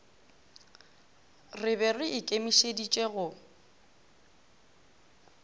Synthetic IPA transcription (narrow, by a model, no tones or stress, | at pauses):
rɪbɛrɪʔɪkʼemiʃedit͡ʃʼeɣʊ